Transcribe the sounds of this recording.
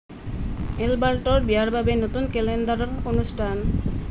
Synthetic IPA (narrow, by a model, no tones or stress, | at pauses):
elbalʈɔɾbiaɾbʱabenot̪unkɛlend̪aɾɔɾonusʈʰan